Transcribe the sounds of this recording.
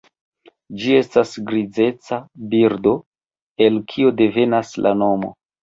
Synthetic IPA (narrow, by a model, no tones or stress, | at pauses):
d͡ʒie̞stasɡɾid͡ze̞t͡sabiɾdo̞ | e̞lkʰio̞de̞ve̞naslʔa̰no̞mo̞̰